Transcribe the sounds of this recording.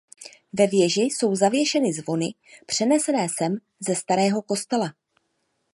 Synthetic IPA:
vɛvjɛʒɪso̞wzavjɛʃɛnɪzvo̞nɪ | pr̝̥ɛnɛsɛnɛːsɛm | zɛst̪aɾɛːɦo̞ko̞st̪ɛla

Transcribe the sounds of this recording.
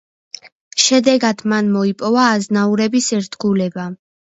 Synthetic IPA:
ʃɛd̪ɛɡad̪̥manmɔipʼɔvaːznauɾɛbisɛɾt̪ʰɡulɛba

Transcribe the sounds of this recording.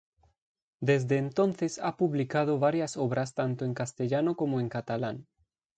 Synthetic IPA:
d̪ezd̪eːnt̪onθesa̰puβlikað̞oβaɾjasoβɾast̪ant̪oeŋkast̪eʎanokomoẽŋkat̪alaŋ

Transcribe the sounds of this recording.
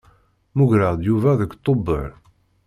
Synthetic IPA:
muɡɾəʁd̪juvæðəkt̪ˤːobəʕ

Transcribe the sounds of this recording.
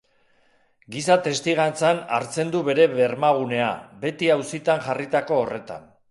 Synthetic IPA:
ɡisat̪e̞st̪iɣ̞ant͡sana̰ɾt͡se̞nd̪uβe̞ɾe̞βe̞ɾmaɣ̞une̞a̰be̞t̪iawsit̪anʝarit̪ako̞ːre̞t̪a̰n

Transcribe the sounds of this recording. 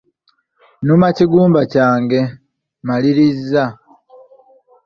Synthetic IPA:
numaciɡuːmbacaːŋɡe̞ | maliɾizːa

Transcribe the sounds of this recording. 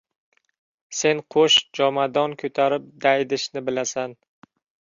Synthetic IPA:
se̞nqʰoʃd͡ʒɒmad̪ɒnkʲʰɵt̪ʰaɾɪp̚d̪ajd̪ɪʃnɪbɪlasan

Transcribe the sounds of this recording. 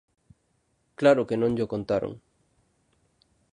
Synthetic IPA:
klaɾokenõŋʎokõnt̪aɾo̰ŋ

